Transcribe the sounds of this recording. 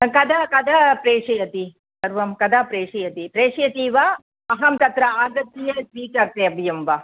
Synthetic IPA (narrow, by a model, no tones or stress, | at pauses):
kɐd̪ʱɐkɐd̪ʱɐpɾeːʂɐjɐt̪i | ɐɾʋɐmkɐd̪ʱapɾeːʂɐjɐt̪ipɾeːʂɐjɐt̪iːʋa | ɐɦɐmt̪ɐt̪ɾɐaːɡɐt̪ːijɐsʋiːkɐɾt̪eːɐbʱijɐmʋaː